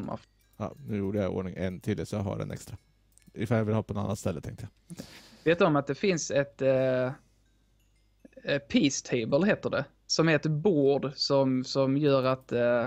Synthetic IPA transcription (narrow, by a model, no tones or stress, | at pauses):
mːa̰ | ɑ̰ːnʉ̟ːjuːɖəjao̰ːɳɪŋɛnt̪ʰɪld̪ɛsɔjaɦa̰ɖɛ̰nʔɛ̰kst̪ɾa | ɪfaljavɪlhɑːpʰɔnɔnanːat̪st̪ɛlːət̪ʰɛŋkt̪əja | veːt̪ɔmat̪̚d̪ɛfɪnsɛt̪ | pʰiːst̪ʰɛɪbəlɦeːt̪əɖɛ | sɔmheːt̪əɾboːɖsɔmsɔmjœːɾat̪